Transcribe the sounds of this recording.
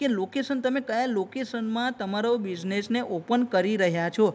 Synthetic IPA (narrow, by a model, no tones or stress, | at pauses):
kelokesənt̪əmekəjalokesənmãt̪əmaɾobid͡ʒnesneʔopənkəɾiɾəɦjat͡ʃʰo